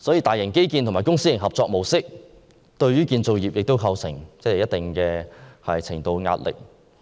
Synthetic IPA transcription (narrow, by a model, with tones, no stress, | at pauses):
sɔ˨˥jiː˧t̪aː˨jɐ˨˩ŋke˥jkiː˧nt̪ʊ˨ŋmaː˨˩kʊ˥ŋsiː˥ɪ˨˩ɦɐ˨p̚t͡sɔː˧k̚mo˨˩wsɪ˥k̚ | t̪ɵ˧ɥɥyː˥kiː˧nt͡so˨˧wjiː˨p̚jɪ˨k̚t̪o˥wkʰɐ˧wsɪ˨˩ŋt͡sɛ˥˨jɐ˥t̚t̪ɪ˨ŋkɛː˧hɐ̰˨jt͡sʰɪ˨˩ŋt̪o˧wŋa̰ː˧t̚lɪ̰˨k̚